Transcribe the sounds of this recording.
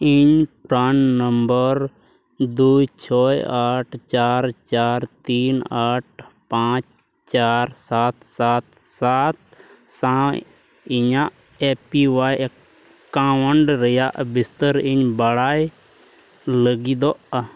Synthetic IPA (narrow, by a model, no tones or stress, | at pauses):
iɲpɾaːnnəmbəɾ | d̪ut͡ʃʰɔːjaːʈʰt͡ʃaːɾt͡ʃaːɾt̪iːnaːʈ̚ʰpãːt͡ʃ | t͡ʃaːɾsaːt̪saːt̪̚ | saːt̪̚sã | iɲãʔ | eːpiʋaːj | kːãːməɳɖɾəjaʔbɪst̪əɾiɲbəɽaːj | ləɡid̪oʔ